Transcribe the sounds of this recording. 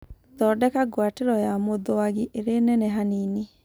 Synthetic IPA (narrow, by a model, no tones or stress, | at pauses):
tɔdɛkaɡwateɾɔjamoðoaɣiʔeɾenɛnɛɦaniːne